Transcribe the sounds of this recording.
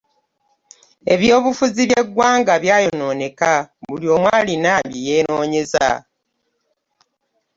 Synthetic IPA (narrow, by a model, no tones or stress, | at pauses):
e̞̰βjo̞ːβufuziβje̞ɡwaːŋɡaβjaːjo̞no̞ːne̞kaβulijo̞ːmwaːlinabije̞ːno̞ːɲe̞za̰